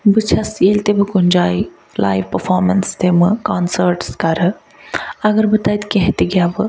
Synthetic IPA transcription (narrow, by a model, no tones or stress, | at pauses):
bɨt͡ʃʰɐselʲt̪ebɨkund͡ʒaːi | la̰ːjʋpəɾfɔːɾmɐnst̪emɨkaːnsəɾʈskɐɾɐ | ɐɡɐɾbɨt̪ajt̪keɦt̪iɡjaːbɨ